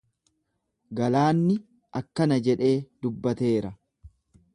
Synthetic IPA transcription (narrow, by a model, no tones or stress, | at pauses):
ɡɐlaːnːɪ | ʔɐkːɐnɐd͡ʒɛᶑe̞ːd̪̥ʊbːɐt̪e̞ːɾɐ